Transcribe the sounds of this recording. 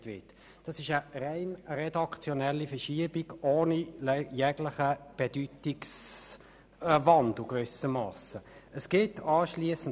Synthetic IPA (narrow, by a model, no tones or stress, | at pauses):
tʋɪt | d̥ɑsɪʃəʁeɪnrɛdɑkt͡sjɔnɛlːifɛʃiəb̥iɡʔoːniljɛɡləχəb̥ɛd̥ytiks | vɑnduɡvʏsəmɑːsəʔəsɡ̥ɪtɑːʃliəsn̩